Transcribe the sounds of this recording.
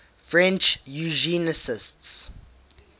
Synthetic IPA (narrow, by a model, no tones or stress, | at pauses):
fɹɛ̃nt͡ʃjuʒinəsɪsts